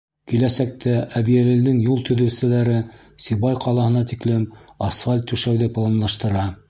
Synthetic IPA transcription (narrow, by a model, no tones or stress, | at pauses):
kilæsæk̚t̪ʰæʔæβiælɘ̆ld̪ɘŋjulˠt̪ɵ̆ðɘ̆wsɘ̆læɾɘ | siβɑjqʰɑlˠɑhɤ̆nɑt̪iklɘmɑsfalʲt̪ːʉʃæwðɘplˠɑnlˠɑʃt̪ɤ̆ɾɑ